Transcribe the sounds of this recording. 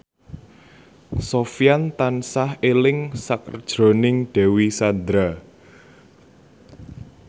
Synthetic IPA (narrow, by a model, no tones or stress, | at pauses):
sofjant̪ansahelɪŋsakərd̥ʒ̥ɾo̤nɪŋɖ̥ɛ̤wisand̪ɾa